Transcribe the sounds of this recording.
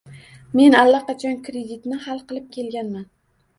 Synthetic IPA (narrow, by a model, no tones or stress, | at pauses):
me̞nalːaqɑt͡ʃʰɒnkɾed̪it̪nɪhalˠqɨlˠɪp̚kʲʰe̞lɡʲanman